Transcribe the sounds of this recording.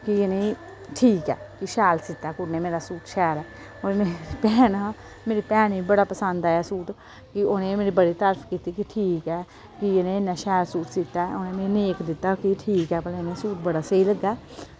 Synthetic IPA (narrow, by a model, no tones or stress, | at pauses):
kɪeneː | ʈʰiːkɛ̰ːkɪʃaːlsɪt̪ːaːkʊneːmeːɾaːsuːt̪ʃɛːɾɛː | oːɾmepɛːna | meːɾiːpɛːnibəɽaːpəsənd̪aɛːsuːt̪ | kɪʊnẽːmeːɾiːbəɽeːt̪əɾpʰkiːt̪iːkɪʈʰiːkɛː | kɪenẽːnːãːʃɛːɾsuːt̪sɪt̪ːaːɛʊnẽːmeneːkd̪ɪt̪ːaːkɪʈʰiːkɛːpəlːnẽːsuːt̪̚bəɽaːsəiləɡːaː